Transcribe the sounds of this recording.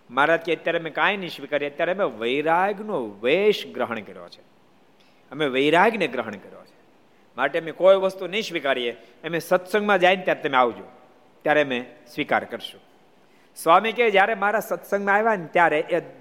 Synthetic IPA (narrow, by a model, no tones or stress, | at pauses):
maɾat̪̚kʰiət̪jaɾemẽkãjniʃʋikaɾijeət̪jaɾeəmeʋəiɾaɡnoʋeʃɡɾəɦəɳkəɾjo̰t͡ʃʰe̥ | əmeʋəjɾaɡneɡɾəɦəɳ̃kəɾjo̰t͡ʃʰe̥ | maʈemekojʋəst̪uniʃʋikaɾieː | mesət̪sə̃ŋɡmãd͡ʒajnt̪jaɾet̪əmẽaʋd͡ʒõ | t̪jaɾemẽsʋika̰ɾkəɾʃũ | sʋamiked͡ʒjaɾemaɾasət̪sə̃ŋɡmãajʋant̪jaɾeʔe